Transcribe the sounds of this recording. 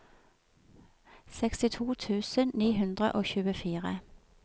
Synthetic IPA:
sɛkst̪ɪt̪ʰuːt̪ʰʉːsənniːɦʉnd̪ʁə̰ʔoːçʉːəfiːʁə̰

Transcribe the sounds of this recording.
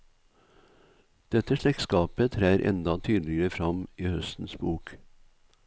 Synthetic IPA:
d̪̥ɛt̪əʃlɛkskɑːpət̪ʰɾæːɾʔɛ̰nd̪ɑt̪ʰyːd̪l̩ɪəɾəfɾɑmiːhœst̪n̩sbuːk

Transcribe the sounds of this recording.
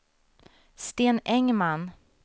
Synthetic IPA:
st̪eːnɛŋman

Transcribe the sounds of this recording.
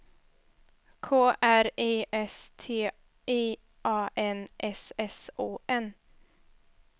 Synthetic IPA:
kʰoːʔæɾeːʔɛst̪ʰeː | ʔeː | ʔɑːʔɛnʔɛsɛsoːʔɛn

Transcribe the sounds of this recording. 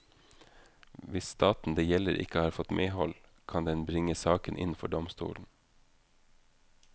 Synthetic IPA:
ʋɪsst̪ɑːt̪n̩d̪eːjɛləɾʔɪ̰kəhɑːɾfɔt̪mʔeːhɔl | kʰɑnd̪ɛnbɾɪŋəsɑːkənʔɪ̰nfɔ̰ɖɔmst̪ṵːln̩

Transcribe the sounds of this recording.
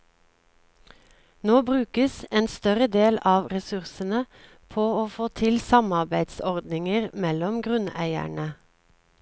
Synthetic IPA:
noːbʁʉːkəseːnst̪œʁəd̪eːlɑːʋʁɛsʉʁsənə | pʰoːoːfoːt̪ʰɪlsɑmɑʁbæɪd̪sɔʁd̪nɪŋəʁmɛlɔmɡʁʉnæ̰ɪæ̰ɳə

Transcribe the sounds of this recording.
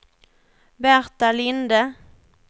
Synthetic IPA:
bæɾt̪alɪnd̪ə

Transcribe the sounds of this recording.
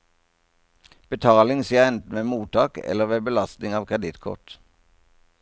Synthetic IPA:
b̥ət̪ʰɑːlɪŋsiːəʁɛnt̪n̩ʋeːmuːt̪ʰɑːkɛ̰ləʁʋeːbəlɑst̪nɪŋɑːʋkʰʁɛd̪ɪt̪kʰʊ̰ʈ

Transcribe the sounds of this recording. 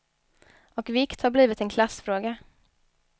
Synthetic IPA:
ɔkvɪkt̪haɾbliːvɪt̪ɛnkʰlasfɾoːɡa

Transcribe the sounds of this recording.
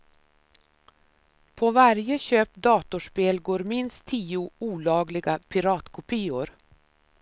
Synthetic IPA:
pʰɔvaɾjəɕøːp̚d̪ɑːt̪ʊʂpeːlɡoːɾmɪnst̪ʰːiːʊuːlɑːɡlɪɡapʰɪɾɑːt̪kʰʊpʰiːʊɾ

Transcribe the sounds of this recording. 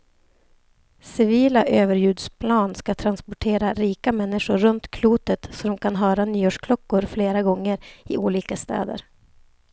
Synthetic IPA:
sɪviːlaʔøːvəɾjʉ̟ːd̪spʰlɑːnskat̪ʰɾanspɔʈʰeːɾaɾiːkamɛnːɪʂʊɾːɵnt̪kʰluːt̪ət̪sɔd̪ɔmkʰanɦœːɾanyːoːʂkʰlɔkːʊɾfleːɾaɡɔŋːəɾɪʔuːliːkast̪ɛ̰ːd̪ə̰ɾ

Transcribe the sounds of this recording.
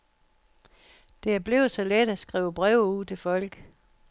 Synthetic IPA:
d̥e̝æb̥le̝ʊsɒ̽led̥æsɡ̥ʁiːʊəb̥ʁɛʊ̰uð̰ˠt͡sʰe̝fɒ̽l̰ɡ̥

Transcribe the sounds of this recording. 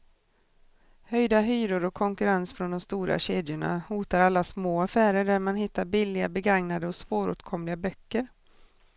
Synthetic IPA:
hœjd̪aɦyːɾʊɾɔkʰːɔŋkɵɾansfɾɔnd̪ɔmst̪uːɾa̰ɕeːd̪jʊɳa̰huːt̪aɾalːasmoːafæːɾəɖæɾmanɦɪt̪ːaɾbɪlːɪɡabɛɡaŋnad̪əɔsvoːɾɵ̰ːt̪kʰɔmlɪabœkːəɾ

